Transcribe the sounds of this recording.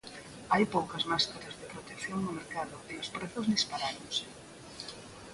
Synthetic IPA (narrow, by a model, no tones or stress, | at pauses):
ajpowkɐzmaskaɾɐzðepɾot̪ekθjoŋnʊmeɾkaðʊeospɾɛθʊzðispaɾaɾoŋsɪ̥